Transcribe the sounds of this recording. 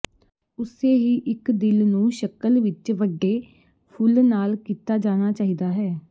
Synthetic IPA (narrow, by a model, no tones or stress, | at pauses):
ʊseːɦiːʔɪkd̪ɪlnũːʃəkəlʋɪt͡ʃʋəɖːeː | pʰʊlnaːlkiːt̪aːd͡ʒaːñaːt͡ʃaːɦiːd̪aːɦɛː